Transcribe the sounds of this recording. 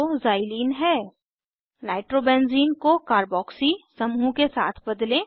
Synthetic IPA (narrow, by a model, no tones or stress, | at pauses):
ozaːɪliːnɦɛː | naːɪʈɾobɛ̃ːnziːnkokaːɾbɔːksisɐmũkesa̰ːt̪ʰbɐd̪lẽ